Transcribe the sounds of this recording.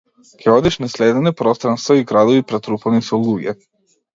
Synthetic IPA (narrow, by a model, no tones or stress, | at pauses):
keod̪iʃnaslʲeːd̪enepɾost̪ɾanst̪voiɡɾad̪oʋipɾet̪ɾupanisolˠuːɡjḛ